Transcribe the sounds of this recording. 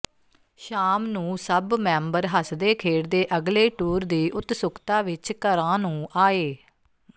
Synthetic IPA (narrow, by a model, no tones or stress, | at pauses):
ʃaːmnũːsəbmɛ̃ːmbəɾɦəsd̪eːkʰeːɽd̪eːʔəɡleːʈuːɾd̪iːʔʊt̪sʊkʰt̪aːʋɪt͡ʃkəɾãːnũːʔaːeː